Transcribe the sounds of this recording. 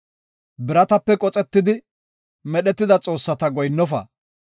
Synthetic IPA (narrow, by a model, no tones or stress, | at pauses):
bɪɾɐt̪ɐpːɛkʼɔt͡sʼɛt̪ːɪd̪ɪ | mɛɗɛt̪ːɪd̪ɐt͡sʼo̞ːsːɐt̪ɐɡɔjnːɔfɐ̰